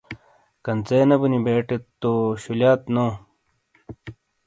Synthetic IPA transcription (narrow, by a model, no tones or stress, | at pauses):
kɐnt͡seːnɐbunibeːʈet̪ːoɕuljaːt̪noː